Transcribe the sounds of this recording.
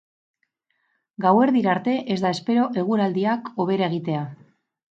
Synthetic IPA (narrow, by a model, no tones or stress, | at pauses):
ɡawe̞ɾðiɾaɾt̪e̞ʔe̞zd̪aespe̞ɾo̞ʔe̞ɣ̞uɾald̪iako̞β̞e̞ɾae̞ɣ̞it̪e̞a